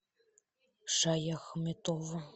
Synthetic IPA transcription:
ʃɑjɑxɤmet̪ovɤ̆

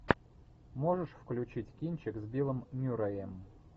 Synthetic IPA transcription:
moʐɨʂfklʲʉt͡ɕitʲkʲinʲt͡ɕɪkzbʲilˠɨmnʲuɾɐem

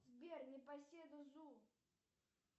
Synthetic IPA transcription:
zbʲernʲɪpɐsʲed̪ʊzu

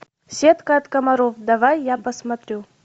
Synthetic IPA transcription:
sʲet̪kəɐt̪kɐmɐɾofd̪ɐvajːapəsmɐt̪ɾʲu

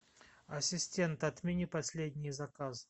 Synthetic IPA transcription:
ɐsʲɪsʲtʲe̞nt̪ɐt̪mʲɪnʲipɐsʲlʲedʲnʲɪjzɐkazɨ

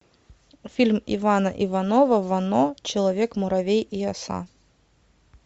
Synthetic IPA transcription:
fʲilʲmivanɐʔivɐnɔvɐvɐnɔt͡ɕɪlˠɐvʲekmʊɾɐvʲejiɐsa̰

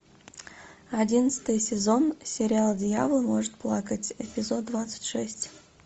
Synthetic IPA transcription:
adʲinət̪sə̥t̪ɨjsʲɪzonsʲeɾʲɪalˠdʲjavlˠmoʐət̪̚plˠɑkətʲepʲɪzod̪̚ːvat̪sə̥tʲʂɛsʲtʲ

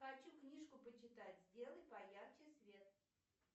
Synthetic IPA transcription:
xɐt͡ɕuknʲiʂkʊpət͡ɕɪt̪atʲzʲdʲe̞lˠəjpɐjaxt͡ɕɪsvʲe̞t̪̚

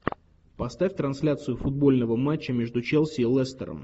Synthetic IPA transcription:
pɐst̪afʲt̪ɾɐnsʲlʲat̪sɨjʊfʊd̪̚bo̞lʲnəvəmat͡ɕːɪmʲe̞ʐd̪ʊt͡ɕɛlˠsʲilˠɛst̪ə̰ɾə̰m

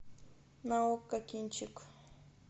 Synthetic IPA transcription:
mawkakɪnt͡ʃɪk

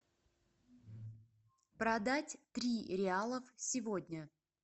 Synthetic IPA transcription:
pɾɐd̪atʲt̪ɾʲiɾʲɪalˠəfsʲɪvodʲnʲə

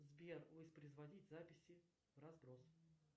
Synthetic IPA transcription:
zbʲervəspɾəzvɐdʲitʲzapʲɪsʲɪ | vrazbɾos

